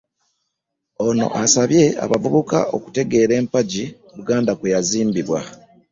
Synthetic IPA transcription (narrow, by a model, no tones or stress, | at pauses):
o̞no̞̰ʔasaβje̞a̰βavuβuka̰oku̥te̞ɡe̞ɾe̞ːmpaɟi | βuɡaːndakwejaziːmbiβwa